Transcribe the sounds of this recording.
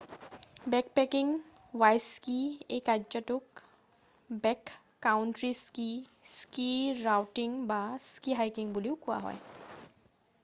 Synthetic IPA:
bɛk̚pɛkiŋ | wajskiekad͡ʒɔtʊk | bɛkː | awntɹiskiskiɹawʈiŋbaskiɦajkiŋbuliʊkʊwa̰ɦɔ̰j

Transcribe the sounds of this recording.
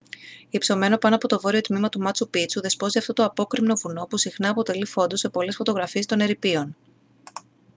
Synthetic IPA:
ipso̞me̞no̞pɐno̞ɐpo̞t̪o̞vo̞ɾio̞t̪mimɐt̪umɐt͡supit͡suðe̞spo̞ziɐft̪ot̪oɐpo̞kɾimno̞vuno̞pusixnɐːpo̞t̪e̞lifo̞nd̪ose̞po̞le̞sfo̞t̪o̞ɣɾɐfie̞st̪o̞ne̞ɾipio̞n

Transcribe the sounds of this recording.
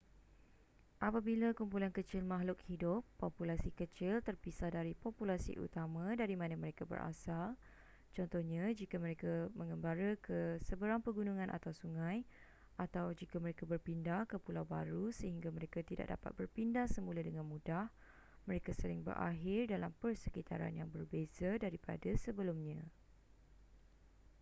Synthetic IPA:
ʔapabilakumpulankət͡ʃɪlmãɦlʊk̚hidʊpːɔpulasikət͡ʃɪlt̪ərpisadaɾipɔpulasḭʔṵt̪amãdaɾimãnãməɾekabə̰ɾʔa̰sal | t͡ʃɔnt̪ɔhɲad͡ʒikaməɾekamə̃ŋəmbaɾəkəsəbəɾaŋpəɡunuŋãnʔa̰t̪awsuŋãj | ʔat̪awd͡ʒikaməɾekabərpindahkəpulawba̰ɾusəɦiŋɡamə̃ɾekat̪ida̰ʔ̚da̰pa̰t̪̚bərpindahsəmũladəŋãnmũdah | mə̃ɾekasəlɪŋbə̰ɾʔa̰ɦɪrdalampərsəkit̪a̰ɾa̰njaŋbərbezadaɾipa̰dasəbəlumɲã

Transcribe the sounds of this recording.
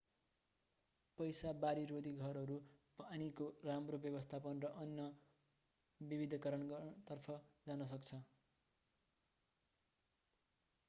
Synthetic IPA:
pʌjsabaɾiɾod̪iɡʱʌɾɦʌɾupanikoramrobjʌbʌst̪ʰapʌnrʌʔʌnjʌ | bibid̪ʱʌkʌɾʌnt̪ʌrpʰʌd͡zanʌs̬ʌkt͡sʰʌ

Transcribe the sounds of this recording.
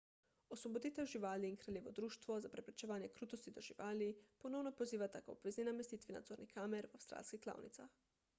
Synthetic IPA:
osʋɔbod̪iːt̪ɛwʒiʋaːliːnkɾaljeːʋɔd̪ɾuːʃt̪ʋɔzapɾɛpɾɛ̥t͡ʃɛʋaːnjɛkɾuːt̪ost̪id̪ɔʒiʋaːlipɔnɔwnɔpoziːʋat̪ako̰bʋɛzninamɛst̪iːt̪ʋina̰d̪zoːɾnikaːmɛɾwawst̪ɾa̰ːlskixkla̰ːwnḭt̪sax

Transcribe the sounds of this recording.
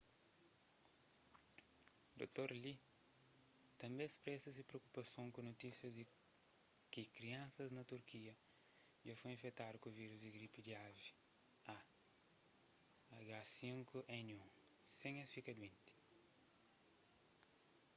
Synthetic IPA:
d̪o̰t̪oɾli | t̪ɐ̃mbẽspɾɛsɐsipɾeokupɐsõŋkunot̪isjɐzd̪i | kikɾiãnsɐznɐt̪uɾkiɐ | d͡ʒafojĩfet̪ad̪ukuviɾuzd̪iɡɾipid̪iavi | a | ɡasĩŋkuʔɛ̃nũŋ | sẽŋɐsfikɐd̪wĩnt̪i̥

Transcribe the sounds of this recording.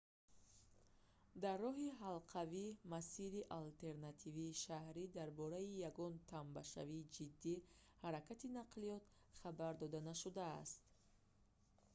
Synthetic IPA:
d̪arːɔɦiɦalqʰavimasiɾiʔalt̪ʰe̞ɾnat̪ʰiviːʃahɾid̪aɾbɔɾaijaɡɔnt̪ʰambaʃa̰viːd͡ʒid̪ːi | haɾakat̪inaqlijɔt̪ | χabaɾd̪ɔd̪anaʃud̪a̰ːst̪

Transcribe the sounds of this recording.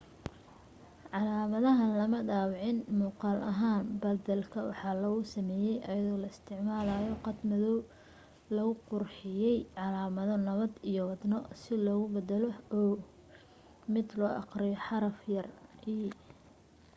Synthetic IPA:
ʕɑlaːmɐðɐɦɐnlɐmɐɖaːwʕɪnmuːqɑːlʔɐɦaːnbɐd̪ɐlkʰɐwɑ̰ħɑːlɐɣʊsɐmɛːjɛjʔɐjɐðɔːlɐɪst̪ʰɪʕmaːlaːjɔqɑd̪mɐðɔw | lɐɣʊqʊrħɪjɛjʕɑlaːmɐðɔnɐβɐd̪ijɔwɑd̪nɔsɪlɔːɣʊbɐd̪ɐlɔː | mɪd̪lɔːʔɑ̰qrɪjɔħɑɾɐfjɐrʔiː

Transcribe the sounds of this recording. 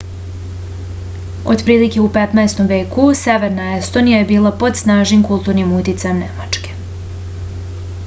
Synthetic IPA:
o̰d̪pɾiːlike̞upe̞t̪naest̪o̞mʋe̞ːkuse̞ʋe̞ɾnae̞st̪o̞nijaje̞biːlˠapo̞d̪snaːʒimkulˠt̪uːɾnimut̪it̪sajemnemat͡ʃke̞̥

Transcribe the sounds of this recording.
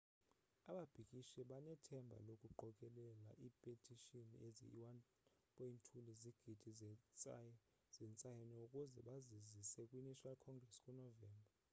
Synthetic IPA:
aɓab̥ʱikʼiʃɛɓanɛtʰɛmbʱa̰lokʼuǃʱɔkʼɛlɛla̰ʔipʼetʰʼiʃoniezḭwan | pʼointʰuliziɡ̥ʱid̥ʱiɛt͡sʼ | z̥ɛnt͡sʼajɛnɛukʼuzɛɓazizisɛkʼwiniʃalkʰɔŋɡrɛskʼunɔvɛːmbʱa

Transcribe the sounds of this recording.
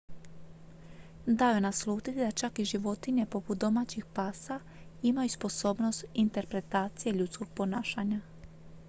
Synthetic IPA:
d̪ajunaslˠuːt̪it̪id̪at͡ʃakiʒiʋo̞t̪iɲe̞po̞put̪̚d̪o̞mat͡ɕixpaːsa | imajuspo̞so̞ːbno̞st̪int̪e̞ɾpɾe̞t̪aːt̪sije̞ʎut̪sko̞ɡ̚po̞naːʃaɲa

